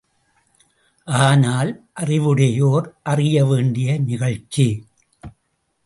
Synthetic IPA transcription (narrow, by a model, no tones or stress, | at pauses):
ʔaːnaːlʔɐrɪʋɯɽɐjoːɾʔɐrɪjɐʋeːɳɖɪjɐnɪɣɐɻt͡ʃːi